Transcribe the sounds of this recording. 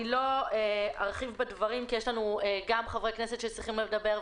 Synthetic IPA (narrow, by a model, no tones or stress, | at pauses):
ilo̞eaʁχivbedvaʁimkijeʃlanueɡamχavʁeknese̞t̪ʃet͡sʁiχimledabe̞ʁ